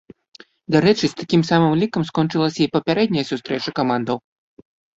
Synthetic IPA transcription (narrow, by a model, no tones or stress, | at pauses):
d̪aɾɛt͡ʂɨst̪akʲimsamɨmlʲikɐmskɔnt͡ʂɨlˠɐsʲɐipɐpʲaɾɛd̪ʲnʲɐjɐsust̪ɾɛt͡ʂɐkamand̪ɐw